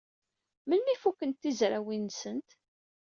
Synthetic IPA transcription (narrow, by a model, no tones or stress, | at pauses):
mənmifukːənt̪ːizɾæwinsənt̪